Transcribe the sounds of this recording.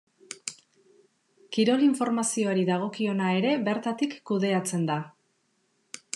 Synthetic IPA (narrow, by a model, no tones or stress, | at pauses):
kiɾo̞liɱfo̞ɾmasio̞aɾiðaɣ̞o̞kio̞nae̞ɾe̞βe̞ɾt̪at̪ikːuðe̞at͡se̞nd̪a